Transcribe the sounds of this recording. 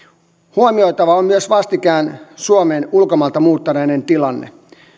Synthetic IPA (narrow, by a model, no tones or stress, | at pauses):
huomiojt̪ɑʋɑommyøsʋɑst̪ikæːnsuomeːnulkomɑlt̪ɑmuːt̪ːɑɾenent̪ilɑnːḛ